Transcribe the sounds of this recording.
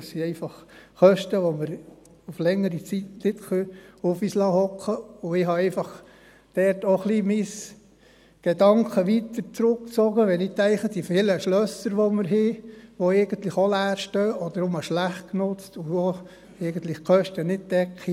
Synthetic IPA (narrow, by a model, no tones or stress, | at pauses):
ssiɛɪfɑχkœʃtəʋoməɾ | uflɛŋːəɾit͡sitnɪt̪χøʊfislɑːhɔkχəʊɪɦɑɛɪfɑχ | d̪̥ɛɾtoχlimis | ɡ̥edɑŋkʰəʋit̪əɾt͡sɾʊkt͡sɔɡəʋɛnit̪ɛɪχəd̪ifɪləʃlœsəɾʋoɔməɾɦɪʋoɛɪɡ̥ən̩t̪lɪχolæːɾʃtøːʔɔd̪əɾomɑʃlæχt̚knʊt͡stʊo | ɛɪɡən̩t̪lɪχkʰœʃtənɪd̚d̥ɛkʰχi